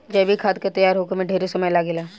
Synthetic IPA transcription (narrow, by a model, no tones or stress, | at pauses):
d͡ʒɛbʱikʰaːt̪̚ket̪ɐjaːɾɦoːkemẽɖʱeːɾesɐməjlaːɡelaː